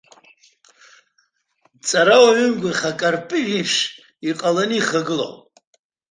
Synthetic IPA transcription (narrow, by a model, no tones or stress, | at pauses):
t͡sʼaɾawaʕʷʏmɡʲʷʊrχakʼarpʼɨʕipʰʂ | iqʼalaniiχaɡɨlo̰wpʼ